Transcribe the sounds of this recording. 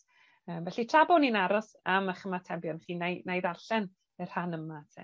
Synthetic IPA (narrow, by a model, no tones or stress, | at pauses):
əːmvɛɬitʰrabɔninaɾɔs | aməχəmatʰɛbjɔnχiːnajnejðarɬɛn | ɨrhanəmatʰɛ̰